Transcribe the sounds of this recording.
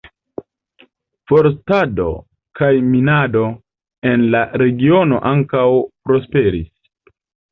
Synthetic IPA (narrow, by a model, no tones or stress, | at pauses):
fo̞ɾstado̞̰ | kajminado̞ | e̞nlaɾe̞ɡio̞no̞̰ʔaŋkawpɾo̞spe̞ɾis